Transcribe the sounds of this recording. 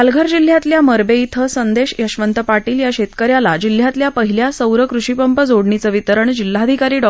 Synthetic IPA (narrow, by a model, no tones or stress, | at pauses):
alɡʱəɾd͡ʑil̤ːjat̪ljaməɾbeit̪ʰəsənd̪eɕjəɕʋənt̪əpaʈiːljaɕet̪kəɾjalad͡ʑil̤jat̪ljapəɦiljasəwɾəkɾuɕipəmpəd͡zoɽɳit͡səʋit̪əɾəɳd͡ʑil̤ːaːd̪ʱikaɾiːɖɔ